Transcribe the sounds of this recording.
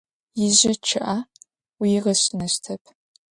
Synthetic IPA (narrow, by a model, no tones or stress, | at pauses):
jɪʑɐʈ͡ʂʰɨʔa | wiʁɐɕnɐʃtʰɐpʰ